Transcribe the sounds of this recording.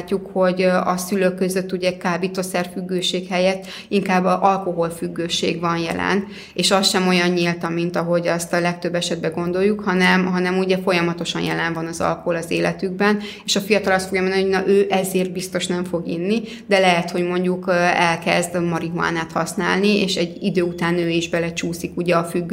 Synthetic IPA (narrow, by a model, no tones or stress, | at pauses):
cːukho̞ɟɒsyløkːø̞zø̞t̪ːuɟɛkaːbit̪o̞sɛrfyɡːøːʃeːkhɛjɛt̪ː | iŋkaːbːɒʔɒlko̞ɦo̞lfyɡːøːʃḛːɡvɒnjɛ̰lɛ̰n | eːʃɒsʃɛmo̞jɒɲɲilt̪ɒmːint̪ɒɦo̞ɟɛst̪ɒlɛk̚t̪ø̞bːɛʃɛd̪̚bɛɡo̞nd̪o̞jːukhɒnɛmɦɒnɛmuɟɛfo̞jɒmɒt̪o̞ʃɒnjɛlɛɱvɒnɒzɒ̰lkoho̞lɒzeːlɛt̪yɡ̚bɛn | eːʃɒfijɒt̪ɒlɒst̪fo̞ɡjɒmonioɟnɒʔøːʔɛzeːrt̪̚bist̪o̞ʃnɛɱfo̞ɡḭnːi | d̪ɛlɛɦɛt̪ho̞ɟmo̞ɲɟukɛlkɛ̰zd̪mɒɾiɦua̰ːnaːt̪hɒ̰sna̰ːlnieːʃɛɟːid̪øːut̪aːnøːiʒbɛlɛt͡ʃuːsikuɟɛɒfyɡː